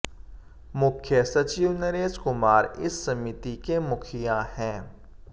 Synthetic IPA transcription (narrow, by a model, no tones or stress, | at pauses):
mʊkʰjəsɐt͡ʃiːʋnɐɾeːzkʊmaːɾɪ̰sːɐmɪt̪ikemʊkʰɪjahɛ̃ː